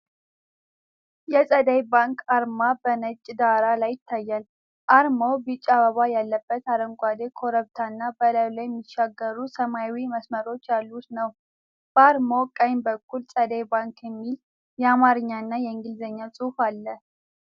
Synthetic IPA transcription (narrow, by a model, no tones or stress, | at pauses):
jɛsʼəd̪əjbaŋkaɾmabənət͡ʃʼːd̪aɾalajɪt̪ʰːajːal | ʔaɾmobɨt͡ʃʼːaβəβajalːəbːət̪aɾəŋkʷʼad̪ekʰo̞ɾəβt̪ʰanːabələβlajɛmːɪʃːaɡːəɾusəmajwiməsməɾo̞t͡ʃːjalːut̪nəw | b̥əaɾmokʼəjmbəkːulsʼəd̪əjbaŋkʰjɛmːil | jɛamaɾɨɲːanːajɛɨŋɡɨlzəɲːasʼufalːə